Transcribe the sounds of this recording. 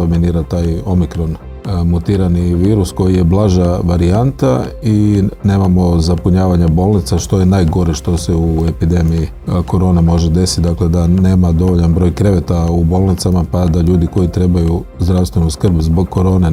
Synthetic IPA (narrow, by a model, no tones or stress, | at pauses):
ominiːɾat̪aːjo̞mikɾo̞n | mut̪iːɾaniʋiːɾusko̞jije̞blˠaːʒaʋaɾiant̪aine̞ːmamo̞zapuɲaːʋaɲabo̞lˠnit̪saʃt̪o̞je̞naːjɡo̞ɾeʃt̪o̞seue̞pid̪e̞miji | ko̞ɾo̞ːnemo̞ʒed̪e̞si̥t̪̚d̪akle̞d̪ane̞ːmad̪o̞ʋo̞ʎanbɾo̞jkɾe̞ʋet̪aubo̞lˠnit̪samapad̪aʎuːd̪iko̞it̪ɾe̞bajuzd̪ɾawst̪ʋe̞nuskr̩bzbo̞ɡkʰːoɾo̞ːne